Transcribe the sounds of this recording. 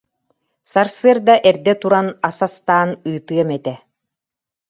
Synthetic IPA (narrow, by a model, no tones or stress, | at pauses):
saɾsɯɐɾd̪aʔɛɾd̪ɛt̪uɾanasast̪aːnɯːt̪ɯɐmɛt̪ɛ